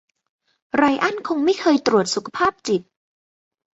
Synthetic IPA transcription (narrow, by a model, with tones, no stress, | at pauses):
ɾa˧jʔa˥˩nkʰo˧ŋma˥˩jkʰɤː˧jt̪ɾu˨˩ət̪̚su˨˩kʰa˧pʰaː˥˩p̚t͡ɕi˨˩t̪̚